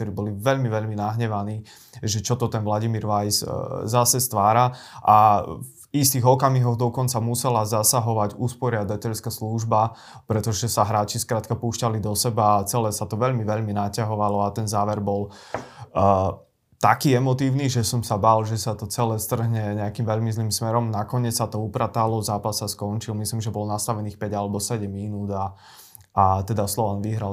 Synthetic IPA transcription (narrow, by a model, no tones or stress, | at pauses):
ɔɾiːbɔliʋɛʎmiʋɛʎminaɦɲɛʋaniː | ʒɛt͡ʃɔt̪ɔt̪ɛnʋlaɟimiːɾʋajszasɛst̪ʋaːɾaʔavist̪iɣɔkamiɦɔɣd̪ɔkɔnt͡samusɛlazasaɦɔʋaɟuspɔɾɪad̪acɛʎskasluʒba | pɾɛt̪ɔʒɛsaɦɾaːt͡ʃiskɾaːt̪kapuːʃcalid̪ɔsɛbaːt͡sɛlɛːsat̪ɔʋɛʎmiʋɛʎminacaɦɔʋalɔat̪ɛnzaːʋɛɾbɔl | t̪akiːɛmɔt̪iːʊniʒɛsɔmsabalʒɛsat̪ɔt͡sɛlɛːst̪r̩ɦɲɛɲɛakimʋɛʎmizliːmsmɛɾɔmnakɔɲɪɛt͡ssat̪ɔupɾat̪alɔzaːpasːaskɔnt͡ʃilmisliːmʒɛbɔlnast̪aʋɛniːxpɛɟalɛbɔsɛɟɛmːinuːd̪a | ʔat̪ɛd̪aslɔʋanʋiɦɾal